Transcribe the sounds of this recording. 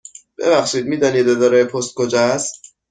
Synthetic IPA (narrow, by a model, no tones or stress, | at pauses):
b̥ḛβæxʃiːd̪̚miːd̪ɒːniːd̪ed̪ɒɾɛjepʰost̪̚kod͡ʒæs